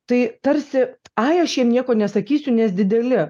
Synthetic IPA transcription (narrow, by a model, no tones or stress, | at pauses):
t̪ɐɪt̪ɐɾʲsʲɪɐɪɐʃjiɛmnʲiɛkoːnʲɛsɐkʲiːsʲʊnʲɛsd̪ʲɪd̪ʲɛlʲɪ